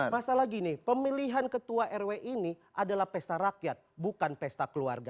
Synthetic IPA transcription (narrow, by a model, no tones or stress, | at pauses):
masalaɡinipəmiliɦankət̪uaʔɛrweʔini | ʔadalahpɛst̪aɾakjat̪̚bukanpɛst̪akəlua̰rɡa